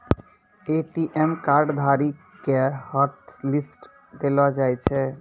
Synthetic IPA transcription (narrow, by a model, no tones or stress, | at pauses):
eʈiʔemkaɾɖd̪ʱaɾikː | ehɔʈlisʈ | d̪elad͡ʑajt͡ɕʰe